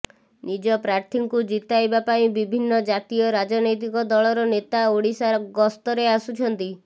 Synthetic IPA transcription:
nid͡ʒɔpɾaɾt̪ʰiŋkud͡ʒit̪ajbapaĩbibʱinːɔd͡ʒat̪iɔɾad͡ʒɔnɔjt̪̬ikɔd̪ɔɭɔɾɔnet̪aoɽisaɾɔɡɔst̪ɔɾeasut͡ʃʰɔnt̪i

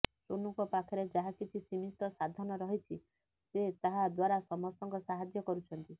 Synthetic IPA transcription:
sonuŋkɔpakʰɔɾed͡ʒaɦakit͡ʃʰisimist̪ɔsad̪ʱɔnɔɾɔɦit͡ʃʰi | set̪aɦad̪waɾasɔmɔst̪ɔŋkɔsaɦad͡ʒjɔkɔɾut͡ʃʰɔnt̪i

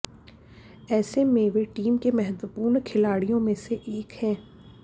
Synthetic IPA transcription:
ɛːsemẽʋeʈiːmkemɛɦd̪əpuːɾnkʰɪlaːɽijõmẽseʔeːkɦɛ̃ː

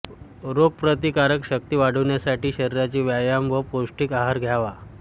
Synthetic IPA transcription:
ɾoɡ̚pɾət̪ikaɾəkɕək̚t̪iːʋaɽ̤əʋɳjasaʈiːɕəɾiɾat͡ɕiːʋjajamʋəposʈikaɦaɾɡʱjaʋa

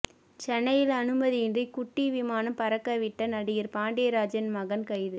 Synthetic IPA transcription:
t͡ʃɛnːɐjɪlɐnɯmɐðɪjɪndrikʊʈːiʋɪmaːnɐmpɐɾɐkːɐʋɪʈːɐnɐɽɪjɪɾpaːɳɖeːɾaːd͡ʒɐnmɐɣɐnkɐɪðɯ

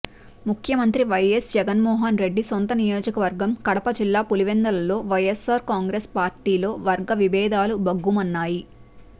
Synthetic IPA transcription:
mukʰjɐmɐnt̪ɾiʋɐjesd͡ʒɛɡɐnmɔːɦɐnɾe̞ɖːisont̪ɐnijo̞ːd͡ʒɐkɐʋɐɾɡɐmkɐɽɐpɐd͡ʒilːaːpuliʋend̪ɐlɐlo̞ːʋɐjesaːɾkaːŋɡɾespaːɾʈiːlo̞ːʋɐɾɡɐʋibɛːd̪aːlubɐɡːumɐnːaːji

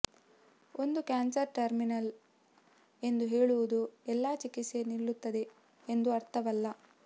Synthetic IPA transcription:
o̞nd̪ukaːnsɐɾʈɐɾminɐl | e̞nd̪uɦeːɭuʋud̪uɛlːaːt͡ʃikisenilːut̪ːɐd̪e̞ | end̪uɐɾt̪ʰɐʋɐlːɐ

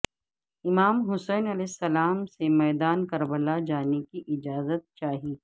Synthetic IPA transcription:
ɪmaːmɦʊsɛːnɐlɛːsːɐlaːmsemɛːd̪aːnkɐɾbəlad͡ʒaːnekiʔɪd͡ʒaːzət̪̚t͡ʃaːɦiː

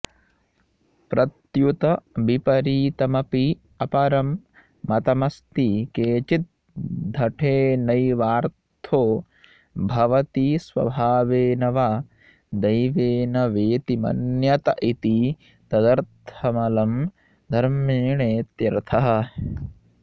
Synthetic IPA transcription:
pɾɐt̪jut̪ɐbipɐɾiːt̪ɐmɐpi | ɐpɐɾɐmː | ɐt̪ɐmɐst̪ikeːt͡ʃit̪̚ | d̪ʱɐʈʰeːnɐjʋaːɾt̪ʰoː | bʱɐʋɐt̪isʋɐ̰bʱaːʋeːnɐʋa | d̪ɐjʋeːnɐʋeːt̪imɐ̰njɐt̪ɐʔit̪i | t̪ɐd̪ɐɾt̪ʰɐmɐlɐm | d̪ʱɐɾmeːɳeːt̪jɐɾɐt̪ʰɐɦɐ̆

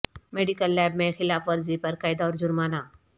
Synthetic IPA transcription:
meːɖikəlːɛːbmẽxɪlaːfʋɐɾzipɐɾkaːɪd̪aɔːɾd͡ʒʊɾmaːna

